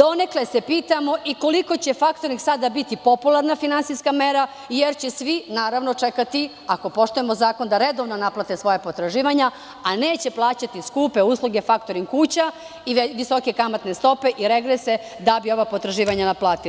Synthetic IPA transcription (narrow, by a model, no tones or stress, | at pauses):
d̪o̞ne̞klesepiːt̪amo̞ʔiko̞liko̞t͡ɕe̞fakt̪o̞ɾniksad̪abit̪ipo̞pulaɾnafinantsiskame̞ɾa | jeɾt͡ɕesʋinaːɾaʋno̞t͡ʂe̞kat̪i | ako̞po̞ʃt̪uje̞mo̞zaːko̞nd̪aɾed̪o̞ʋnonaplˠat̪esʋo̞japot̪ɾaʒiːʋaɲa | ane̞ːt͡ɕe̞plˠaːt͡ɕat̪iskuːpe̞uːslˠuɡe̞fakt̪o̞ɾimkuːt͡ɕa | iʋiso̞ke̞kamat̪nest̪o̞pe̞ʔiɾeɡɾese̞ | d̪abio̞ʋapo̞t̪ɾaʒiːʋaɲanaplˠaːt̪il